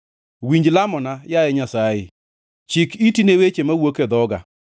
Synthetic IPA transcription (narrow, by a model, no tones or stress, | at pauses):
wiɲd͡ʒlamɔnajajɛɲasajɪ | t͡ʃɪkitinewet͡ʃemawoked̪ɔɡa̰